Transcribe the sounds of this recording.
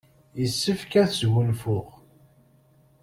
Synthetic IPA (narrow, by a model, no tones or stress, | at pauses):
jəsːəfkæθzwənfʊʁ